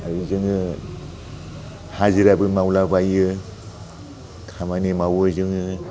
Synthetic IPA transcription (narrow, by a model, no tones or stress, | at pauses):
aɾizɯŋɯ | haziɾabɯmawlabajɯ | kʰamanimawɯzɯŋɯ